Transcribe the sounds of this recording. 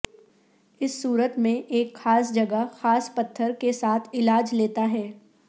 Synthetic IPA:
ɪsːuːɾət̪mẽʔeːkxaːs̬d͡ʒɐɡəxaːspɐt̪ʰːəɾkesaːt̪ʰɪlaːd͡ʒleːt̪aɦɛː

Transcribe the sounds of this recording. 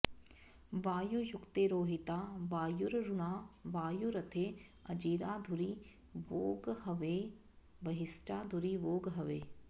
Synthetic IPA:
ʋaːjujukt̪eːɾoːɦit̪aːʋaːjuɾɾuɳaːʋaːjuɾɐt̪ʰeːɐ̰d͡ʒiːɾaːd̪ʱuɾi | ʋoːɡhɐʋeː | bɐɦisʈaːd̪ʱuɾiʋoːɡɦɐʋeː

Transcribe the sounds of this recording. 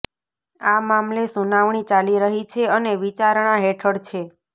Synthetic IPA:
amamlesunaʋɳ̃it͡ʃaliɾəɦit͡ʃʰeəneʋit͡ʃaɾɳ̃aɦeʈʰəɽt͡ʃʰe

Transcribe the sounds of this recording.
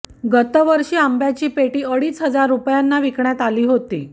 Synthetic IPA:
ɡət̪əʋəɾɕiːambjat͡ɕiːpeʈiːəɽiːsɦəd͡zaɾːupjanːaʋikɳjat̪aliːɦot̪iː

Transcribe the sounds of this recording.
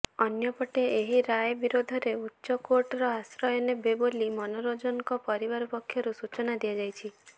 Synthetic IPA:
ɔnjɔpɔʈeeɦiɾajbiɾod̪ʱɔɾeutːʃɔkoɾʈɔɾɔasɾɔjɔnebebolimɔnoɾod͡ʒɔŋkɔpɔɾibaɾɔpɔkʰːjɔɾusut͡ʃɔnad̪iad͡ʒajt͡ʃʰi

